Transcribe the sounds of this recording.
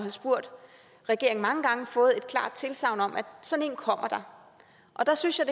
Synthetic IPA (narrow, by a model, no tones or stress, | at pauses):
hɑsb̥uɐ̰d̥ | ʁɛɡ̥e̝ɐeŋ̩mɑ̈ŋəɡ̥ɑ̈ŋəfɔ̽ːð̩ˠe̝d̥kʰlɑ̰̈ːd̥̚t͡sʰe̝lsɑ̈ʊ̰nɒ̽mʔæ̥sɒ̽ne̝̰ːnkʰɒ̽m̰ɐd̥ɑ̈ | ʔɒ̽d̥ɑ̈synsjɑɪd̥